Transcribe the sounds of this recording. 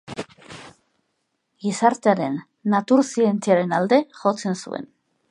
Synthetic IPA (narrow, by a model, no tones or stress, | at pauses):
ɡisaɾt̪eaɾe̞nː | at̪uɾsient͡siaɾe̞nald̪e̞ʝo̞t͡se̞nsṵe̞̰n